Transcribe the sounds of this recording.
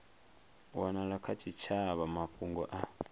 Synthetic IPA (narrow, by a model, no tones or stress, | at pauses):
wanaɺakʰat͡ʃʰit͡ʃʰaβamaɸʰuŋɡɔʔa